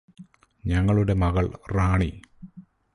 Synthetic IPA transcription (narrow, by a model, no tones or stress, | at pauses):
ɲɐŋːɐɭuɽe̞mɐɣɐɭraːɳi